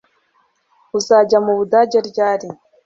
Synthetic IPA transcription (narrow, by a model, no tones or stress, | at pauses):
uzaːɟamuβudaːɟeɾɟaːɾi